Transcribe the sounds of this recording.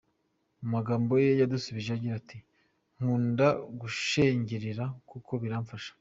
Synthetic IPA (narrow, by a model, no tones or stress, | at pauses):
umaɡaːmbo̞jejadusuβiʒejaɟiɾatʰi | ŋ̥uːndaɡuʃeɲɟeɾiɾakukʰo̞βiɾaːɱfaʃḁ